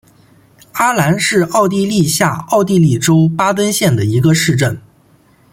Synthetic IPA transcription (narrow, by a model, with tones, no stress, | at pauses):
a˥la˧˥nʂɻ̩˥˧ɑ˥˧ʊt̪̬i˥˧li˥˧ɕja̰˥˧ɑ˥˧ʊt̪̬i˥˧li˥˩ʈ͡ʂo˥ʊpa˥t̪̬ə˥nɕjɛ˥˩nd̪ə˩i˧˥ɡə˧ʂɻ̩˥˧ʈ͡ʂə˥˩n